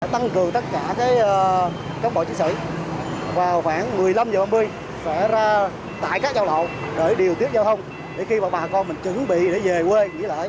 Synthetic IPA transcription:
t̪a˧ŋkɨ˨˩əŋt̪ə˦˥t̚kaː˧˩kaː˨˦jː | kaː˨˥wŋ͡mɓo̰˧˨t͡ɕi˧nsɨ̰˧˨ | vaː˨˩wxwaː˧˩ŋmɨ˨˩əjla˧mzəː˨˩ɓaː˧mɨ˧əj | sɛ̰˧˥zaː˧ | t̪a̰ː˧˨jkaː˦˥k̚zaː˧wlə̰˧˨wɗəː˧˩jɗi˨˩əwt̪i˦˥t̚za˧wt̪ʰə˧wŋ͡m | ɗe˧˩˦xi˧vaː˨˩ɓaː˨˩˨kɔ˧nmï˨˩ŋ̟t͡ɕɨ˨˧˩ŋɓḭ˧˨ɗe˧˩˦ve˨˩kwe˧ŋḭ˧˥˦lə̰ː˧˨j

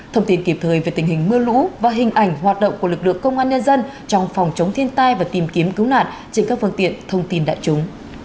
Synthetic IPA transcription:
t̪ʰə˧wŋ͡mt̪i˧nki˧˩p̚t̪ʰəː˨˩jve˨˩t̪ï˨˩ŋ̟hï˨˩ŋ̟mɨ˧əlṵ˧˥vaː˨˩ɦï˨˩ŋ̟ʔa˧˩jŋ̟ɦwaː˨˩t̚ɗə̰˧˨wŋ͡mku˧˩əlɨ˨˩k̚lɨ̰˧˨əŋkə˧wŋ͡mʔaː˧nɲə˧nzə˧n | t͡ɕɔ˧wŋ͡mfɔ˨˩wŋ͡mt͡ɕə˨˦wŋ͡mt̪ʰi˧ənt̪aː˧jvaː˨˩t̪i˨˩mki˨˦əmkɨ˨˦wna̰ː˧˨n | t͡ɕe˧nŋkaː˦˥k̚fɨ˧nt̪ḭ˧˨ənt̪ʰə˧wŋ͡mt̪i˧nɗa̰ː˧˨jt͡ɕʊ˨˦ŋ͡m

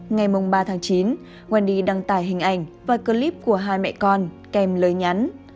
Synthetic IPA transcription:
ŋa˨˩jmʊ˨˩ŋ͡mɓaː˧t̪ʰaː˨˦ŋt͡ɕi˨˦n | ɣwaː˧˩nɗi˧˩ɗa˧ŋt̪aː˧˩jɦï˨˩ŋ̟ʔa˧˩jŋ̟vaː˨˩kəː˧li˦˥p̚ku˧˩əɦaː˧jmɛ̰˧˨kɔ˧n | kɛ˧mləː˨˦jɲa˨˦n

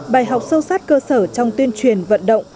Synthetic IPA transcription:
ɓaː˨˩jɦa˨˩wk͡p̚sə˧wsaː˦˥t̚kəː˧səː˧˩t͡ɕɔ˧wŋ͡mt̪wi˧ənt͡ɕwi˨˧˩ənvə̰˧˨nɗə̰˧˨wŋ͡m

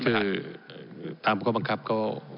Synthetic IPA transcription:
kʰaɯː˧na˩˧ | t̪aː˨˧m˨kʰɔː˥˩ba˧ŋkʰa˦˥p̚kɔː˥˩

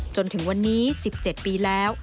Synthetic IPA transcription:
t͡ɕo˧nt̪ʰɯ˩˦ŋwa˧nːiː˦˥si˨˩p̚t͡ɕe˨˩t̪̚piː˧lɛː˦˥w

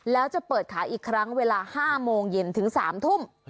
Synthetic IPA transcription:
lɛː˦˥wt͡ɕa˨˩pɤː˨˩t̪̚kʰaː˩˦ʔiː˨˩kʰːɾa˦˥ŋweː˧laː˧haː˥˩moː˧ŋje˧nt̪ʰɯ˩˦ŋsa̰ː˩˦mt̪ʰu˥˩m

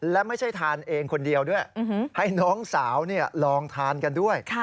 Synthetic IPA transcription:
lɛ˦˥ma˥˩jt͡ɕʰa˥˩jt̪ʰaː˧nʔeː˧ŋkʰo˧ndi˧əwdu˥˩əj̩˧˩˦ha˥˩jnɔː˦˥ŋsaː˩˦wni˥˩ɐlɔː˧ŋt̪ʰaː˧nka˧ndu˥˩əjkʰ

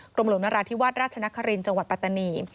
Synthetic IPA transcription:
kɾo˧mlo˩˦na˧ɾaː˧t̪ʰiː˦˥waː˥t̪̚ɾaː˥˩t͡ɕʰa˧na˦˥kʰːa˧ɾi˧nt͡ɕa˧ŋwa˨˩t̪̚pa˧˩t̪ːa˧niː˧

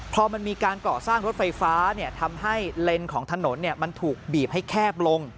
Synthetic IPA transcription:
pʰɔ˧ma˧nmiː˧kaː˧nkɔː˨˩saː˥˩ŋɾo˦˥t̪̚fa˧jfaː˦˥ni˥˩ɐt̪ʰa˧mɦa˥˩jle˧nkʰɔː˩˦ŋt̪ʰa˧no˩˦nːi˥˩əma˧nt̪ʰuː˨˩k̚biː˨˩p̚ha˥˩jkʰɛː˥˩p̚lo˧ŋ

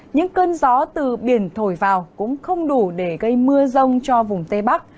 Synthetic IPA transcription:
ɲɨ̰˧˥ŋkəː˧nzɔ˨˦t̪ɨ˨˩ɓi˧˩ənt̪ʰo˧˩jvaː˨˩wkʊ̰˧˥ŋ͡mxə˧wŋ͡mɗu˧˩ɗe˧˩ɣə˧jmɨ˧əzə˧wŋ͡mt͡ɕɔ˧vʊ˨˩ŋ͡mt̪e˧ɓa˦˥k̚

